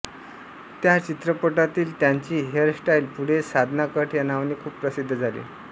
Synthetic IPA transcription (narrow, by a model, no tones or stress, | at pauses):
t̪jat͡ɕit̪ɾəpəʈat̪iːlt̪jaɲt͡ɕiːɦeɾsʈajlpuɽ̤esad̪ʱnakəʈʰjanaʋniːkʰuːppːɾəsid̪ʱːəd͡zʱalḭː